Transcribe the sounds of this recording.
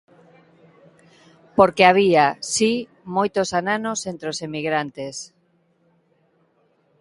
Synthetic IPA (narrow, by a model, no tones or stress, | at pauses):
poɾkeaβ̞iasi | mojt̪osananosent̪ɾeosemiɣɾant̪es